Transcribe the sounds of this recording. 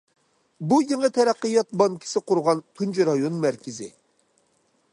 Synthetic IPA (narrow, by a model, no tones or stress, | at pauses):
bujeŋət̪ʰɛɾæqːəjɑt̪̚bɑŋkʲʰi̥sɪqʊɾʁɑnt̪ʰunt͡ʃʰɾɑjonmæɾkʲʰɪzɪ̰